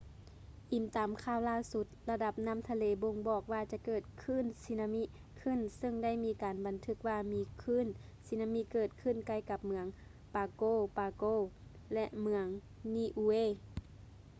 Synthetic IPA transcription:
ʔi˨˩mt̪aː˨˩mkʰaː˧˩˨wlaː˧˥˨su˧˦t̪̚la˧da˧˦p̚na˧˥˨mt̪ʰa˧leː˨˦bo˧ŋbɔː˨˩k̚waː˧t͡ɕa˧˦kɤː˨˩t̪̚kʰɯː˧˥˨nsi˧˥na˧mi˧˥ʔ | kʰɯ˧˥˨nsɤ˧˨ŋda˥˨jmiː˧˥kaː˨nba˨nt̪ʰɯ˧k̚waː˧miː˧˥kʰɯː˧˥˨n | si˧˥naː˧mi˧˥kɤː˧˩t̪̚kʰɯ˧˥˨nka˧˩jka˧p̚mɯ˧˦əŋ | paː˨˧koː˧˩˨paː˨˧koː˧˩ | lɛ˧ʔmɯ˧əŋ | niː˧˩ʔuː˧eː˧˥˨

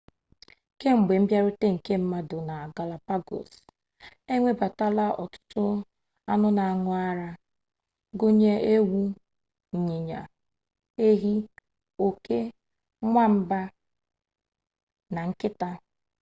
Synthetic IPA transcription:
ke˦ŋ͡m̩˨ɡ͡be˨m̩˦bja˦ɾʊ˦te˦ŋ̩˨ke˦m̩˦ma˦dʊ˨na˨ɡa˨la˨pa˦ɡo̰˨s | e˦ŋʷe˦ba˨ta˦la˦ɔ̰˨tʊ̥˦tʊ˦ | a˦nʊ˦na˨a˨ŋʊ˨a˦ɾa˦ | ɡo˦ɲe˦ʔe˦wu˦ | ɲ̩˨ɲi˨ɲa̰˨ | e˦ɦi˦ | o˨ke˦ | ŋʷa˦m̩˦ba˦ | na˨ŋ̩˦kɪ˦ta˦

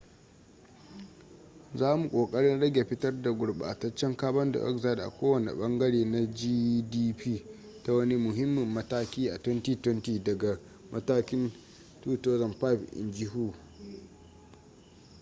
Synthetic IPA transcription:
zaː˦mu˨kʷʼoː˨kʼɐ˦ɽɪ˦nɽɐ˦ɡʲe˨ɸɪ˦tɐ˦rda˨ɡʷʊ˨ɽɓa̰ː˨tɐ˦t͡ʃːɛ˦ŋkaː˦bɐ˦nda̰˨ʔɐ̰˦kza˦˨dʔa̰˨kʷoː˦wɐ˨nḛ˨ɓɐ˦ŋɡɐ˦ɽeː˨na˦d͡ʒiː˦diː˦piː˦ | ta˦wɐ˦ni˦mʊ˨ɦɪ˦mːɪ˨mːɐ˦taː˦kʲiː˦ʔa˨twɛ˦ntiː˦tɛ˦ntiː˨dɐ˨ɡa˨ | mʔɐ˦taː˦kʲɪ˦n | tuː˦toː˦zɐ˨mpa˦˨pʔɪ̰˨nd͡ʒɪ˦ɦuː˦˨

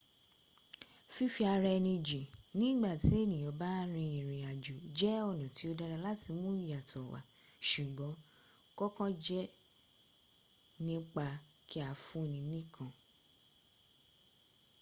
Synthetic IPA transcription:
fi˦fi˧a˧ɾɛ˧nĩ˧d͡ʒi˨nĩ˦ɡ͡ba˦˨ti˨˦e˦˨nĩ˨jɔ̃˨˧˦ba˦ɾ̃ĩ˧i˨ɾ̃ĩ˨a˨d͡ʒu˨d͡ʒɛ˦ɔ˦˨nɔ̃˨ti˨˦o˧da˧ɾa˧la˦ti˧mũ˦ja˨tɔ˨wa̰˨ | ʃu˨ɡ͡bɔ̃˨˦ | kɔ˦kɔ̃˦d͡ʒɛ˦ | nĩ˦k͡pa˧ | ki˦a˨fũ˦˨nĩ˧nĩ˦kʰã˦˨

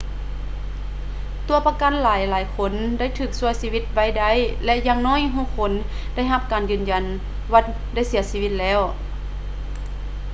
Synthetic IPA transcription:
t̪u˨˧ɐpa˧ka˧˥˨nlaː˨˦jlaː˨˦jkʰo˧˥nda˥˩˨jt̪ʰɯː˧˩k̚su˧əjsiː˧ʋi˧t̪̚ʋa˧˥˨jda˧˥˩jlɛ˧ʔjaː˧ŋnɔː˧˥˨jɦuː˧˥˨kʰo˧˥˨n | da˥˩˨jɦa˧˥p̚kaː˨njɯː˨˩nja˨˩n | wa˧˥˩ | da˥˩jsi˨˩˦ɐsiː˧˥ʋi˧t̪̚lɛː˧˥˩w

